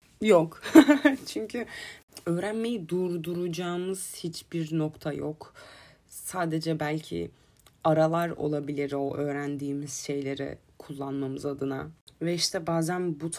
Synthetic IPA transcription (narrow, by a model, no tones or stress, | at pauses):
jok | t͡ʃʰyɲcʰyø̞ːɾænme̞jid̪uɾd̪uɾud͡ʒaːmɯz̥hit͡ʃbiɾno̞kt̪ʰajok | saːd̪e̞d͡ʒɛbælʲcʰḭ | aɾalˠaɾo̞̰lˠabilʲiɾo̞ʔø̞ːɾænd̪iːmiz̥ʃe̞jlʲe̞ɾɛ̰ | kʰulˠːanmamɯzad̪ɯna̰vɛiʃt̪ʰɛbaːzænbut̪ʰ